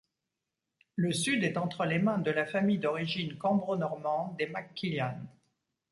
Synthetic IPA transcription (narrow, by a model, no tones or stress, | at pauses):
ləsyd̪ɛt̪ɑ̃t̪χəlemɛ̃d̪əlafamijd̪ɔʁiʒinkɑ̃bʁonɔʁmɑ̃d̪ːemakːiljan